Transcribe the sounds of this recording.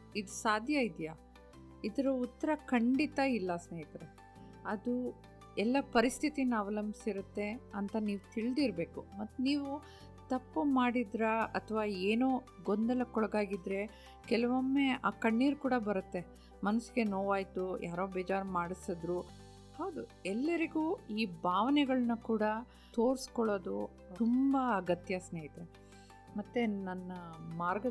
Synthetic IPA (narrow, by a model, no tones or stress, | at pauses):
id̪usaːd̪ʱjɐid̪ja | id̪ɐɾɐut̪ːɐɾɐkɐɳɖit̪ɐilːɐsneːjit̪ɐɾe | ɐd̪u | ɛlːɐpɐɾist̪ʰit̪inɐːʋɐlɐmbisiɾut̪ːe̞ɐnt̪ɐniːʋut̪iɭd̪iɾbe̞ːkumɐt̪ːuniːʋu | t̪ɐpːumaːɽid̪ɾɐɐt̪ʰʋaːeːnoː | ɡond̪ɐlɐkɔɭɐɡaːɡid̪ɾe̞ | kɛlɐʋɐmːe̞aːkɐɳːiːɾukuːɽɐbɐɾɐt̪ːe̞ | mɐnɐsiɡe̞noːʋaːjt̪ujʔaːɾoːbeːd͡ʒaːɾmaːɽisɐd̪ɾu | haːd̪u | ɛlːɐɾiɡuːiːbʱaːʋɐnɛɡɐɭɐnukuːɽɐ | t̪o̞ːɾskɔɭoːd̪u | umbɐːɡɐt̪jaːsneːit̪e | mɐt̪ːenɐnːɐmaːɾɡɐ